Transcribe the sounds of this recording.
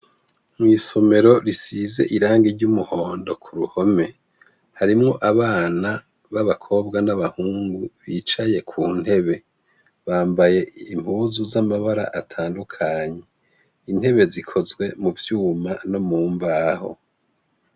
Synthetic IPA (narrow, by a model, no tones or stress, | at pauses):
mŋwiːso̞me̞ɾo̞ɾisize̞̰ʔiɾaːŋɡiɾɟumuho̞ːndo̞kʰuɾuho̞me̞ | haɾimŋo̞ʔaβaːna | βaβakʰo̞bɡanaβahuːŋɡuβiːt͡ʃaje̞kʰuːn̥he̞βe̞ | βaːmbaje̞im̥uːzuzamaβaɾa̰ʔatʰaːndukʰaɲe̞ | in̥he̞βe̞zikʰo̞zɡwe̞muvjuːmano̞muːmbaho̞̰